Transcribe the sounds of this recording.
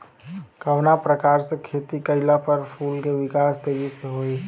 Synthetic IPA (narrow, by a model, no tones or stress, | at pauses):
kɐʋnapɾɐkaːɾsekʰeːt̪ikɐɪlapɐɾpʰuːlkeʋɪkaːst̪eːɡiseɦoːiː